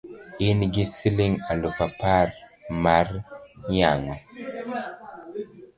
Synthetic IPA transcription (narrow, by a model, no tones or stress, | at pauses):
inɡisiliŋalufapaɾmaɾjaŋɔ